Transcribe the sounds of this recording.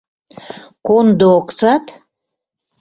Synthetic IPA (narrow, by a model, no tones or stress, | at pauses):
kond̪ooksɑt̪